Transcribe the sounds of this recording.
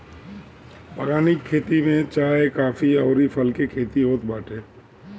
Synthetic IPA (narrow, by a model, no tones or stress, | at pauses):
bəɡaːnikʰːeːt̪imẽt͡ʃaːekaːfʰiɐːɾipʰɐlkekʰeːt̪iɦoːt̪baːʈeː